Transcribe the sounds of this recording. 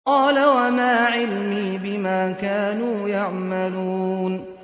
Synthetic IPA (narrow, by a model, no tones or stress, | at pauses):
qɑːlawamaːʕɪlmiːbɪmaːkaːnuːjaʕmaluːn